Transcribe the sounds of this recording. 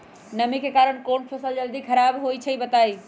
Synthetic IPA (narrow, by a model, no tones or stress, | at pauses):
nəmikekaɾəɽ̃konpʰəsəld͡ʒəld̪ikʰəɾabɦoit͡ʃʰəibət̪ai